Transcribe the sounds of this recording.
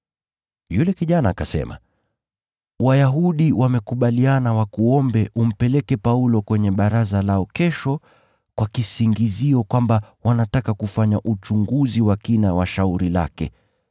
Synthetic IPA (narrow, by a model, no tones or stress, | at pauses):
julɛkiʄanaːkasɛ̰ma̰ | wajaɦuɗiwʔamɛkuɓalianawakuɔmbɛʔum̩pɛlɛkɛpaulɔkwɛɲɛɓaɾazalaɔkɛʃɔ | kwakisiŋɡiziɔkwambawanatakakufaɲaʔut͡ʃuŋɡuziwakinawaʃauɾila̰kɛ̰